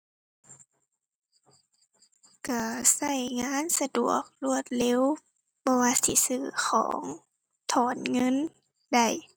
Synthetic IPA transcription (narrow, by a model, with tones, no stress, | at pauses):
ka˧˩sa˧˩jŋaː˧˥˨nsa˧du˨˩ək̚lu˧˨ət̪̚le˧˥w | bɔː˧waː˧si˧˦sɯː˧˩xʰɔ̰ː˩˨˦ŋ | t̪ʰɔː˨˩˦nŋɤ˧˥˨n | da˧˩j